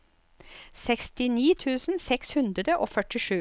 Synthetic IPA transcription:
sɛkst̪ɪniːt̪ʰʉːsn̩sɛkshʉnd̪ɾəd̪əʔoːfœʈɪʂʉː

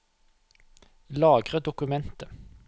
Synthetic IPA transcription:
lɑːɡʁəd̪ʊkʉmɛnt̪ə

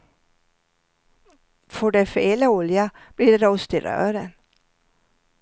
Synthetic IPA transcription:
fɔɖɛfeːlaʊlja | b̥liːd̪ɔst̪ɪɾœ̰ːɾən

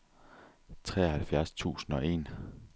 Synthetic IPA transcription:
t͡sʰʁɛ̰ːɐhælfjæɐst͡sʰṵːsn̩ɒ̽ʔe̝̰n

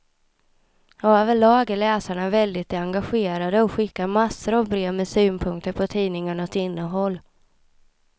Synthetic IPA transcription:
øːvəɭɑːɡəɭɛːsaɳavɛld̪ɪt̪ɛaŋɡaɧeːɾad̪əɔɧɪkːamasːəɾɔvbɾeːvmɛsyːnpʰɵŋkt̪əɾpʰɔt̪ʰiːnɪŋaɳaɔt̪ɪnːəɦɔlː

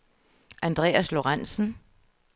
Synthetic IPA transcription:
ʔænd̥ʁɛ̰ːæslo̝ʁan̰sn̩

